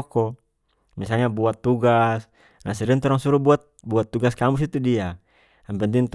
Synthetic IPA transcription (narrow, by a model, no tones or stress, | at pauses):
kɔ | misalɲabuat̪ːuɡas | nasiɾint̪ɔɾaŋsuɾubuat̪̚buat̪ːuɡaskamus̬it̪udia | ampɛnd̪int̪